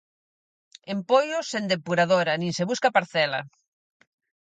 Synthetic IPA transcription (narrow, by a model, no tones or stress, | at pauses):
empojosend̪epuɾað̞oɾanĩnseβuskapaɾθɛla̰